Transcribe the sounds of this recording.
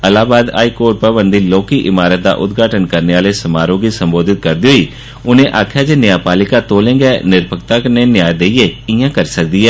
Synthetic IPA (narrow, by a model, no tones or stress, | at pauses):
əlaːbaːd̪a̰ːiːkoːɾʈ̚pəbənd̪iːloːkiːʔɪmaːɾət̪̚d̪a̰ːʔʊt̪ɡʱaːʈənkəɾneːaːleːsəmaːɾoːɡiːsəmboːd̪ʱɪt̪̚kəɾd̪iɦoiː | ʊnẽːʔaːkʰjaːd͡ʒeːnɪjaːpaːlɪkãːt̪oːlẽːɡɛːnɪɾbʰʱəkt̪aːkəneːnjaːjd̪eiːeːɪjãːkəɾsək̚d̪iːɛː